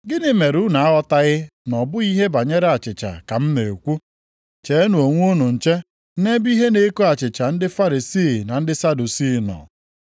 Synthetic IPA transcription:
ɡɪ˦nɪ˦me˨ɾu˦na˨a˦ɣɔ˦ta˦ɣɪ˦nɔ˨bʊ˦i˦ɦe˦ba˨ɲe˦ɾe˦a˨t͡ʃɪ˨t͡ʃa̰˨ka˨m̩˦me˨o˨kʷu˦ | t͡ʃe˨˦e˦nu˨o˨ŋʷ˦u˦nu˨n̩˨t͡ʃe˦ | ne˦bi˦ɦe˦ne˦ko˦a˨t͡ʃɪ˨t͡ʃa˨n̩˦dɪ˦fa˦ɾi˨siː˦˨na˨n̩˦dɪ˦sa˦du˨si˦˨nɔ̰˨

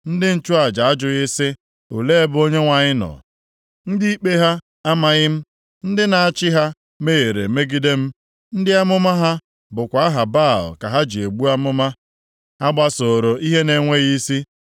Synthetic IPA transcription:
n̩˦dɪ˦n̩˦˨t͡ʃʊ˦a˨d͡ʒa˨a˦d͡ʒʊ˨ɣɪ˦sɪ˦ | o˨le˦e˦bʊ˦o˦ɲe˦ŋʷa˨ɲɪ˦nɔ̰˨ | n̩˦di˦i˦k͡pe˦ɦa˦ | a˦ma˨ɣɪ˦m̩˦ | n̩˦dɪ˦na˨a˨t͡ʃɪ˦ɦa˦ | me˦je˨ɾḛ˨me˦ɡi˦de˦m̩˦ | n̩˦dɪ˦a˦mʊ˦ma˦ɦa˦ | bʊ˨kʷa˨˦a˦ɦa˨ba˦˨l̩˨ka˨ɦa˦d͡ʒi˨e˨ɡ͡bu˦a˦mʊ˦ma˦ | a˦ɡ͡ba˦so˨ɾo˨ʔi˦ɦe˦ne˨ŋʷe˦ɣi˦si˦

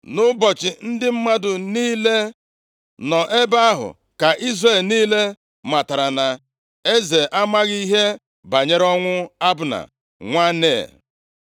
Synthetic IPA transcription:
nʊ˦bɔ˨t͡ʃɪ˨n̩˦dɪ˦m̩˦ma˦dʊ˨niː˦le˦ | nɔ˨ʔe˦ba˦a˦ɦʊ̰˨ | ka˨ʔi˦zre˦˨lniː˦le˦ | ma˨ta˨ɾa˨na˨ | e˦ze˨ʔa˦ma˦ɣi˦ɦe˦ | ba˨ɲe˦ɾɔ˦ŋʷʊ˦a˦bʊ˨na̰˨ | ŋʷa˦nḛ˨

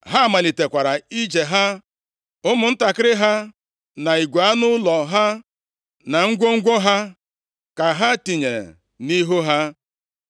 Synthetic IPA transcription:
ɦa˦˨ma˨li˨te˨kʷa˨ɾa˨i˦d͡ʒe˨ɦa˦ | ʊ˦mʊ˨n̩˦ta˨kɪ˦ɾɪ˦ɦa˦ | na˨i˨ɡʷa˦nʊ˦lɔ˨ɦa˦ | na˨ŋ̩˦ɡʷo˦ŋ̩˦ɡʷo˦ɦa˦ | ka˨ɦa˦ti˨ɲḛ˨ | ni˦ɦo˦ɦa˦

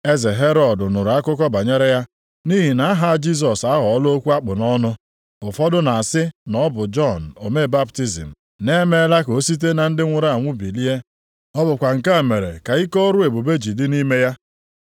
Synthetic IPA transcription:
e˦ze˨ɦe˦ɾɔ˨dʊ˨nʊ˨ɾa˦kʊ˦k̬ɔ˦ba˨ɲe˦ɾe˦ja˦ | ni˦ɦi˨na˨a˦ɦa˦˨˦d͡ʒi˦s̬ɔ˨sa˦ɦɔ˨ɔ˦lo˦kʷu˦a˦k͡pʊ˨nɔ˦nʊ˦ | ʊ˨fɔ˦dʊ˦na˨a˨sɪ˦nɔ˦bʊ˨d͡ʒɔ˦n̩˨o˨me˦˨ba˦bti˦zḭ˨m̩˨ | ne˦me˦la˦ko˨˦si˦t̬e˦na˨n̩˦dɪ˦ŋʷʊ˦ɾa˦a˨ŋʷʊ˦bi˨li˦e˦ | ɔ˦bʊ˨kʷa˨ŋ̩˨ka˦˨me˨ɾḛ˨ka˨i˦kɔ˦ɾʊ˦e˨bu˨be˦d͡ʒi˨dɪ˦ni˦me˦ja˦

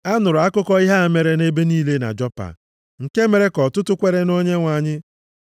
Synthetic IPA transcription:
a˦nʊ˨ɾʊ˨a˦kʊ˦kɔ˦i˦ɦa˦a˨me˨ɾe˦ne˦be˦niː˦le˦na̰˨d͡ʒɔ˦pa̰˨ | ŋ̩˨ke˦me˨ɾe˦kɔ˨tʊ˦tʊ˦kʷe˦ɾe˦no˦ɲe˦ŋʷa˨ɲɪ˦

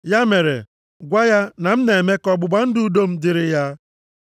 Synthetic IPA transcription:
ja˦me˨ɾḛ˨ | ɡʷa˦ja˦na˨m̩˦ne˨e˨me˦kɔ˦ɡ͡bʊ˨ɡ͡ba˦n̩˦dʊ˦u˦do˦m̩˦dɪ˨ɾɪ˦ja˦

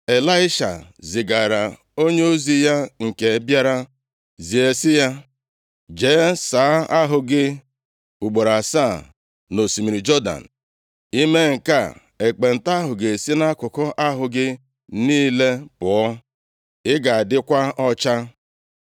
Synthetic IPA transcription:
e˨la˦ɪ˦ʃa̰˨zɪ˨ɡa˨ɾa˨ | o˦ɲe˦o˦zi˦ja˦ŋ̩˨ke˨˦bja˦ɾa˦ | zi˨e˨sɪ˦ja˦ | d͡ʒe˨˦saː˨˦a˦ɦʊ˨ɡɪ˦ | bu˨ɡ͡bo˨ɾa˨sa˦˨ | no˨si˨mi˨ɾi˨d͡ʒɔ˦da̰˨n̩˨ | i˦me˦ŋ̩˨ka˦˨ | e˨k͡pe˨n̩˨ta˦a˦ɦʊ˨ɡe˨si˦na˦kʊ˨kɔ˦ʔa˦ɦʊ˨ɡɪ˦ | niː˦le˦pʊ˨ɔ˦ | ɪ˦ɡa˨a˨dɪ˦kʷa˦ɔ˦t͡ʃa˦

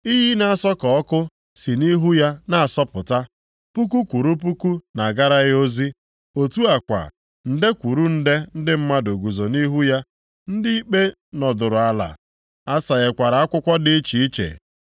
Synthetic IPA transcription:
i˦ɦi˦na˨a˨sɔ˦kɔ˨ɔ˦kʊ˦ | si˨ni˦ɦu˦ja˦na˦˨a˨sɔ˦pʊ˨ta˦ | pu˦k̬u˦kʷu˨ɾu˦p̬u˦ku˦na˨ɡa˦ɾa˦ɣɪ˦o˦zi˦ | o˨tu˦a˨kʷa̰˨ | n̩˨de˦kʷu˨ɾu˦n̩˦de˦n̩˦dɪ˦m̩˦ma˦do˨ɡu˨zo˨ni˦ɦu˦ja˦ | n̩˦dɪ˦i˦k͡pe˦ | nɔ˨dʊ˨ɾʊ˨a˦la̰˨ | a˦sa˨ɣe˨kʷa˨ɾa˨a˦kʷʊ˦kʷɔ˦dɪ˦i˦t͡ʃi˨i˦t͡ʃḛ˨

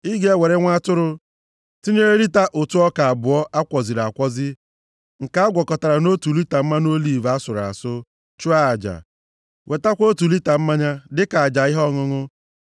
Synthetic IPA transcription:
i˦ɡe˦we˨ɾe˦ŋʷa˦tʊ˦ɾʊ˦ | ti˦ɲe˦ɾe˦ɾi˦ta˦ʔo˨tu˦ɔ˦ka˨a˨bʊ˨ɔ˦ʔa˦kʷɔ˨zi˨ɾa˨kʷɔ˦zɪ˦ | ŋ̩˨ka˦a˦ɡʷɔ˨kɔ˨ta˨ɾa˨no˦tu˨li˦ta˨m̩˦ma˦no˦li˨va˦sʊ˨ɾa̰˨sʊ˦ | t͡ʃʊ˦a˦a˨d͡ʒa̰˨ | wʔe˨ta˦kʷo˦tu˨li˦ta˨m̩˦ma˦ɲa˦dɪ˦ka˨a˨d͡ʒa˨ɪ˦ɦɔ˦ŋʊ˦ŋʊ˦

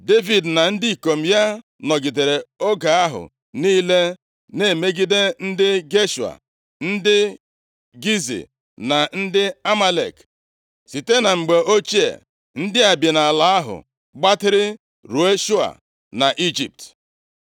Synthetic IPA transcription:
de˦vi˨dna˨n̩˦di˦˨ko˨m̩˦ja˦ | nɔ˨ɡi˨de˨ɾe˨o˦ɡa˨a˦ɦʊ̰˨ | niː˦le˦ | ne˦˨me˦ɡi˦de˦n̩˦dɪ˦ɡe˦ʃu˨a̰˨ | n̩˦dɪ˦ | ɡi˦zḭ˨ | na˨n̩˦dɪ˦a˦ma˦lḛ˨k | si˨te˦na˨ŋ͡m̩˨ɡ͡be˨ʔo˦t͡ʃi˦ḛ˨ | n̩˦dɪ˦a˨bje˨na˨la˨a˦ɦʊ̰˨ | ɡ͡ba˦tɪ˦ɾɪ˦ | ɾu˨e˦ʃu˦a̰˨ | na˨ʔi˦d͡ʒḭ˨p̚t

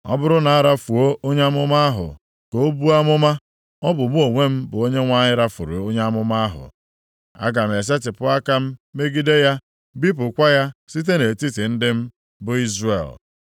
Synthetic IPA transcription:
ɔ̰˦bʊ˦ɾʊ˦na˨a˦˨ɾa˦fu˨o˦ʔo˦ɲe˦a˦mʊ˦ma˦a˦ɦʊ̰˨ | ko˨˦o˦bu˦a˦mʊ˦ma˦ | ɔ˦bʊ˨m˦o˨ŋʷe˦m̩˦bʊ˨o˦ɲe˦ŋʷa˦ɲɪ˦ɾa˦fʊ̰˨ɾṵ˨o˦ɲe˦a˦mʊ˦ma˦a˦ɦʊ̰˨ | a̰˦ɡa˨m̩˨e˨s̬e˦tɪ˨pʊ˦a˦ka˦m̩˦me˦ɡi˦de˦ja˦ | bi˦p̬ʊ˨kʷa˦ja˦si˦t̬e˦ne˨ti˦ti˨n̩˦dɪ˦m̩˦ | bʊ˨i˦zrḛ˨l

